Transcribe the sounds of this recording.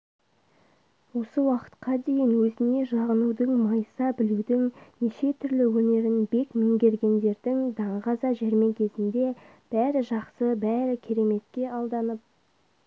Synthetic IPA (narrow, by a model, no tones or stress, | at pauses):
wo̞səwɑqə̥t̪qɑd̪e̞jɪnwɵzɪne̞ʒɑʁənud̪əɴmɑjsɑbɪluwd̪ɪŋneʃe̞t̪ʰʏɾlɪwɵne̞ɾɪnbe̞kmeŋɡʲe̞ɾɡʲe̞nd̪e̞ɾd̪ɪŋd̪ɑɴʁɑzɑʒeɾme̞kʲʰe̞zɪnd̪e̞ | b̥æɾɪʒɑqsəbæɾɪkʲʰe̞ɾe̞me̞t̪kʲe̞ʔɑlˠd̪ɑnəp̚